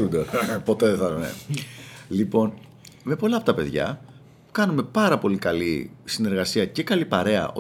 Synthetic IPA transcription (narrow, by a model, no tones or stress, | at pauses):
und̪opo̞t̪e̞ðeθɐnḛ | lipo̞n | me̞po̞lɐːpo̞t̪ɐpe̞ðʝɐ̰ | kɐnume̞pɐɾɐpo̞likɐlisine̞ɾɣɐsiɐce̞kɐlipɐɾe̞ɐ̰ʔo